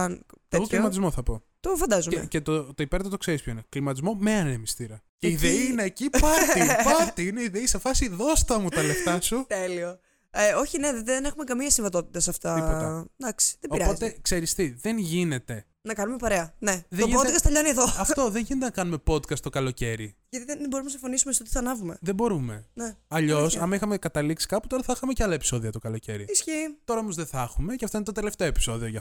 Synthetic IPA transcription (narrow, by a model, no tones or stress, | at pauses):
ɐnt̪eimɐt̪izmoθɐpo̞ | t̪ofɐnd̪ɐzumḛcet̪ot̪oipeɾt̪ɐt̪o̞kseɾispçoineklimɐt̪izmo̞meɐnemist̪iɾɐ | ceiðeiineːcipɐipɐt̪iineiðeisefɐsiðo̞st̪ɐmutt̪ɐleft̪ɐsut̪elio | eo̞çine̞ðenexume̞kɐmiɐsiɱvɐt̪o̞t̪i̥t̪ɐsɐft̪ɐipot̪ɐd̪ɐksi̥ðeboiɾɐpo̞zekse̞ɾist̪iðe̞nʝine̞t̪e̞ | nɐkɐnume̞pɐɾe̞ɐne̞ðoipnod̪kɐst̪e̞ʎo̞nieðo̞ɐft̪o̞ðeɲʝinet̪enɐkɐnume̞po̞d̪kɐst̪o̞kɐlo̞ce̞ɾiʝɐt̪iðenboɾumnɐsĩɱfo̞nisumest̪ot̪iθɐnɐvume̞ðebo̞ɾume̞neɐʎo̞sɐmɐixɐmekɐt̪ɐliksi̥kɐpu̥t̪o̞ɾɐθɐixɐme̞ceɐlɐepi̥so̞ðiɐt̪okɐloce̞ɾiisçit̪o̞ɾɐomozðeθɐxume̞ceɐft̪o̞inet̪ot̪e̞le̞ft̪e̞o̞epi̥so̞ðio̞ʝɐ